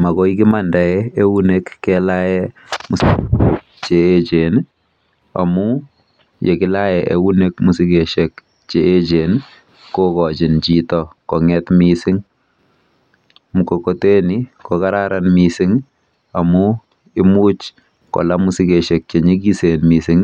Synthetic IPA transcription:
makɔikɪmandaɛeunekːɛlajɛmʊsi | t͡ʃeːt͡ʃen | a̰mu | jekɪlajɛʔeunek̚musikeʃɛk̚ | t͡ʃeet͡ʃen | kokɔt͡ʃɪnt͡ʃitɔkɔŋɛtmisɪŋ | mukokotenikɔkaɾaɾanmisɪŋ | amu | ɪmut͡ʃ | kɔ̰lamʊsɪkeʃek̚t͡ʃeɲikisenmisɪŋ

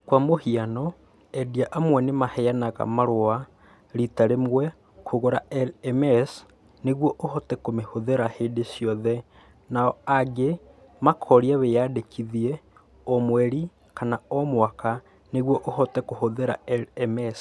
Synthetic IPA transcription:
kwamohianɔ | ɛdiaʔamwɛnemahɛjanaɣa̰maɾoa | ɾitaɾemwɛ | kʰoɣoɾa̰ɛlɛmɛs | neɣwɔʔohɔtɛkomehoðeɾaheːdesjɔðɛ | naɔaɡe | makʰɔɾiaβejadekʰiðiɛ | ɔmwɛɾi | kanaɔmwaka | neɣwɔʔohɔtɛkohoðeɾaɛɛmɛs

